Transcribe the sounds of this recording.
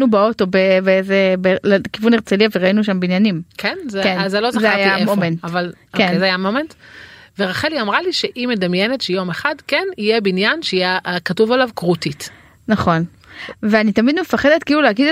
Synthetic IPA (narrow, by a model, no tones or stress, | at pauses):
nubeo̞to̞bebeezebelekivuneʁt͡seliaveʁainuʃambinjanimkenzekenzelozazeajamomenaval | kenzeajamomentveʁaχeliamʁaliʃeʔime̞damjenetʃejo̞meχadkenijebinjanʃeijeʔkatuvalavkʁutit | naχo̞n | veanitamid̪mefaχed̪et̪kiluleaɡide